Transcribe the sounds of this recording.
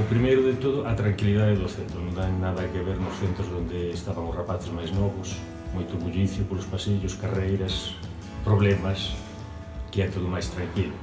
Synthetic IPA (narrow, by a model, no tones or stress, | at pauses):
ʊpɾimejɾʊðɪt̪oðʊʔɐt̪ɾaŋkiliðaðɪðʊθent̪ɾʊnõŋaŋnaðɐkɪβeɾnʊsθent̪ɾʊzðõnd̪ɪːst̪aβɐŋʊsrapaθɪzmajznɔβʊs | mojt̪ʊɣuʎiθjʊpolʊspasiʎʊskarejɾɐs | pɾoβlɛmɐs | kɪɛt̪oðʊmajst̪ɾaŋkilʊ